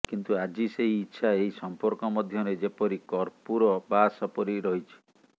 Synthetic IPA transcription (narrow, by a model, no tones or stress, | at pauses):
kint̪uad͡ʒiseɦiːtːʃʰaeɦisɔmpɔɾkɔmɔd̪ʱjɔɾed͡ʒepɔɾikɔɾpuɾɔbasɔpɔɾiɾɔɦit͡ʃʰi̥